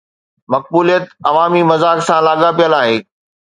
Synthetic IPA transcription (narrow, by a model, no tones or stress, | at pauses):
mɐk̚buːlijət̪ɐʋaːmimɐzaːksãlaːɠapijəlaːɦeː